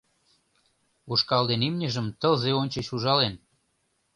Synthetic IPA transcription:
uʃkɑld̪enimnʲəʒə̆mt̪əlzeonʲt͡ɕĕɕuʒɑlen

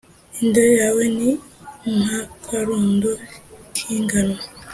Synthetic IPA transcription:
indeɾejaweniŋakwaɾuːndokʰiːŋɡanwa

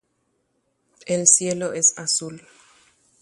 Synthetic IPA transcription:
elsjeloʔesasul

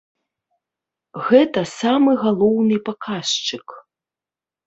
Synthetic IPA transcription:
ɣɛt̪ɐsamɨɣalˠɔwnɨpakʰaʂt͡ʂɨk

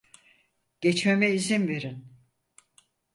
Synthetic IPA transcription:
ɟ̥et͡ʃmemɛizinve̞ɾin

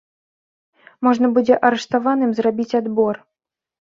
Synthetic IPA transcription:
mɔʐnɐbud͡zʲɛʔɐɾɛʂt̪avanɨmzrabʲit͡sʲad̪bɔr

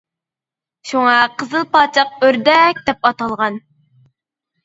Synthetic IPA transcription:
ʃuŋɑqʰəzɨlˠpɑːt͡ʃʰɑqøɾd̪ɛk̚ʲd̪̥ɛp̚ɑt̪ɑlˠʁɑn

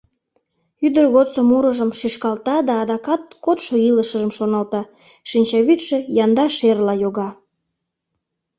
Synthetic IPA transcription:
yd̪ərɣot̪somuɾəʒəmʃiʃkɑlt̪ɑd̪ɑːd̪ɑkɑt̪̚kot̪ʃoiləʃə̆ʒəmʃonɑlt̪ɑ | ʃinʲt͡ɕɑβit̪ʃĕjɑnd̪ɑʃerlɑjoɣɑ

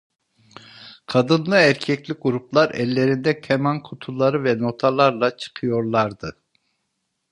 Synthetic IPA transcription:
kʰad̪ɯnlˠɯæɾcʰɛclʲiɡuɾuplˠaɾɛlːe̞ɾind̪ɛkʰɛmankʰut̪ʰulˠaɾɯvɛno̞t̪ʰalˠaɾlˠat͡ʃʰɯ̥qʰɯjo̞ɾlˠaɾd̪ɯ

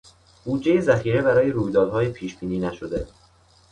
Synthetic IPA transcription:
b̥uːd̪d͡ʒe̞jezæxiːɾebæɾɒːje̞ɾuːjd̪ɒːd̪ɦɒːjepʰiːʃbiːniːnæʃod̪e̞

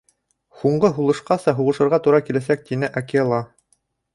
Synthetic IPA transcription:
huɴɢɤɦulˠɤ̆ʃqɑsɑɦuʁɤ̆ʃɤ̆ɾʁɑt̪uɾɑkilæs̬æk̚t̪inɘʔakilˠɑ

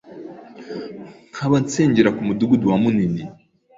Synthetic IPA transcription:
ŋ̥hʰaβant͡seːɲɟeɾakumuduɡuduwamunini

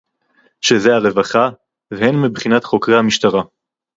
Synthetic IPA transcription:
ʃezeaʁe̞vaχa | vehenmibχinat̪χo̞kʁejhamiʃtaʁa

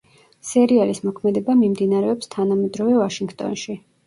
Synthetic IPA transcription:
sɛɾialismɔkʰmɛd̪ɛbamimd̪inaɾɛɔpst̪ʰanamɛd̪ɾɔvɛvaʃiŋɡt̪ʼɔ̰nʃi

